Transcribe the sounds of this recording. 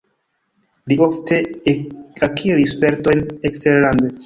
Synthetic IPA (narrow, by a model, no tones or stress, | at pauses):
liʔoftʰe̞ | akʰiɾispe̞ɾto̞jneksteɾlande